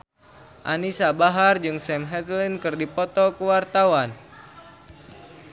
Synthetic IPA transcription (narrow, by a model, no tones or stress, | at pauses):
ʔanisabaɦard͡ʒɨŋsɛmɦɛt̪linkɨrdipɔt̪ɔkuwart̪awan